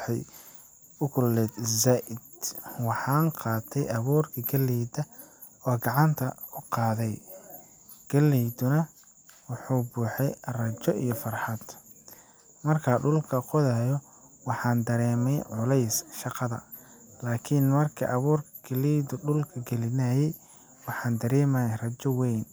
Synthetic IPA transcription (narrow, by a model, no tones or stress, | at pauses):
ħɛj | ʊkʰʊlːɛːd̪zaːʔɪd̪̥wɑħɑːnqɑːt̪ʰɛjɐβuːrkʰɐɡɐliːd̪ɐ | ɔːɡɑʕɑnt̪ʰɐʊqɑːðɛj | ɡ̥ɐlːiːd̪ʊnɐ | wʊħuːbuːħɛjrɐt͡ʃɔʔḭjɔfɑrħɑd̪̥ | mɐrkʰɐɖʊlkʰɐqɔðɐjɔ | wɑħɑːnd̪ɐɾɛːmɛjʕʊlɛjsʃɑqɑðɐ̰ | laːkʰɪnmɐrkʰɐ̰ʔɐβuːrkʰɐɡ̥ɐliːd̪ʊɖʊlkʰɐɡɛlɪnaːjɛj | wɑħɑːnd̪ɐɾɛːmaːjrɐt͡ʃɔwɛjn